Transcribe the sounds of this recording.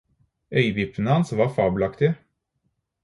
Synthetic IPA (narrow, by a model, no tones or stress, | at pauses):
œʏbɪpənəhɑnsʋɑːfɑːbʉlɑkt̪ɪ